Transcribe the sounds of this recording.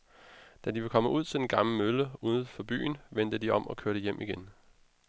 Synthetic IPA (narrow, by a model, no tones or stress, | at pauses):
d̥ædiʋekʰɒ̽məʔuð̞̰ˠt͡sʰe̝d̥enɡ̥ɑ̈ml̩møləuːðð̩ˠfɒ̽b̥y̰ːn̩ʋend̥əd̥iɒ̽m̰ʔɒ̽kʰøɐɾ̥əjem̰ʔiɡ̥en